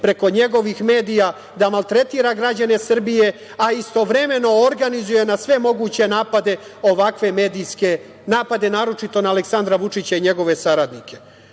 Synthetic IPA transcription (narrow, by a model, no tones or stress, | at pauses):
pɾe̞ko̞ɲe̞ɡo̞ʋixme̞ːd̪ija | d̪amalt̪ɾe̞t̪iːɾaɡɾad͡ʑane̞sr̩bije̞ | aist̪o̞ʋɾe̞me̞no̞ːɾɡanizuje̞nasʋe̞mo̞ɡuːt͡ɕe̞naːpad̪e̞o̞ʋakʋe̞meːd̪iske | naːpad̪e̞naːɾo̞t͡ʃit̪o̞naːleksand̪ɾaʋut͡ʂit͡ɕaiɲe̞ɡo̞ʋe̞saɾad̪nikʰe̞